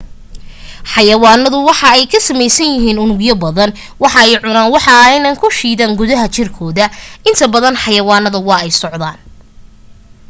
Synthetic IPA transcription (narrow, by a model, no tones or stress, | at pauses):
ħɑjɐwɑːnːɐðʊwɑħɑɛjkʰɐsɐmɛjsɐnjɪɦiːnʊnʊɡjɐbɐðɐn | wɑħɑɛjʕʊnaːnwɑħɑɪjnaːŋkʰʊʃiːðaːŋɡʊðɐɦɐt͡ʃɪrkʰɔːðɐɪnt̪ʰɐbɐðɐnħɑjɐwɑːnɐðɐwɑːɛjsɔʕd̪aːn